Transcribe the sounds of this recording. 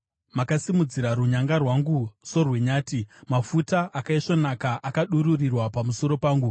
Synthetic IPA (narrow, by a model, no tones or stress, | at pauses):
makasimud͡ziɾaɾuɲaŋɡarwaŋɡuso̞rwe̞ɲaːtimafutaʔakaiʂo̞nakaʔakaɗuɾurirwapamuso̞ɾo̞paːŋɡu